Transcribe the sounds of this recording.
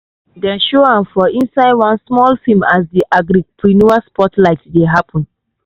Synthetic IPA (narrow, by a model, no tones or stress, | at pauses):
dɛ̃nʃoãmfɔʔĩnsaɪdwãnsmɔlfimasdiʔaɡɾipʰɹinuaspɔtlaɪtdeɦapʰɔ̃n